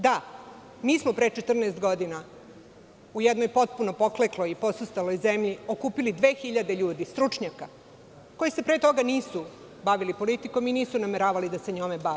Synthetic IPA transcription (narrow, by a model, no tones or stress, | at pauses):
d̪a | miːsmopɾet͡ʃet̪r̩neːst̪ɡo̞d̪ina | ujed̪nojpo̞t̪̚punopo̞kleklojipo̞sust̪alo̞jzemʎiokuːpilid̪ʋe̞ːxiʎad̪e̞ʎuːd̪ist̪ɾut͡ʂɲaka | ko̞jise̞pɾe̞t̪o̞ɡaniːsu | baʋilipo̞lit̪iko̞miniːsunameɾaːʋalid̪aseɲomebaʋe